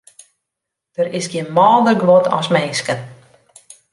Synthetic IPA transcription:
d̥əɾɪsɡjiənmɔːdərɡʋɔtʰɔ̰smɛnskən

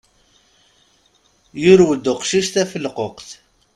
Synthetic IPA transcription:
jʊɾwəd̪ːʊqʃiʃt̪æfəlqoqθ

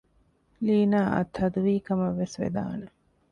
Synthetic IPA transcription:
liːnaːʔɐ̰t̪ʰːɐd̪uʋiːkɐmɐʋːesʋḛd̪a̰ːne

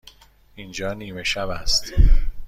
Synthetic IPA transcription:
ind͡ʒɒːniːme̞ʃæbæ̰st̪

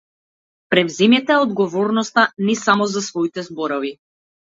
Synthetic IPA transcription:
pɾɛvzɛmɛt̪ɛɔd̪ɡɔvɔɾnɔst̪anɛsamɔzasvɔit̪ɛzbɔɾɔvi

